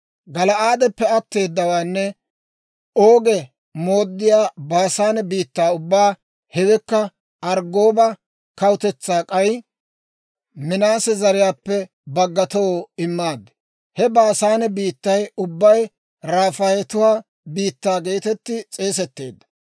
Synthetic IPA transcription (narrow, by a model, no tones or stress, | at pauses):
ɡɐlɐaːd̪ɛpːɛɐt̪ːe̞ːd̪ːɐwaːnːɛ | oːɡɛ | mo̞ːd̪ːɪjaːbaːsaːnɛbiːt̪ːaːʊbːaː | hɛwɛkːɐ | ɐɾɡo̞ːbɐ | kɐwt̪ɛt͡sːaːkʼɐj | mɪnaːsɛzɐɾɪjaːpːɛ | bɐɡːɐt̪owɪmːaːd̪ːɛ̥ | hɛbaːsaːnɛbiːt̪ːɐjʊbːɐj | ɾaːfaːjɛt̪ʊwaː | biːt̪ːaːɡe̞ːt̪ɛt̪ːɪt͡sʼe̞ːsɛt̪ːe̞̰ːd̪ːɐ̥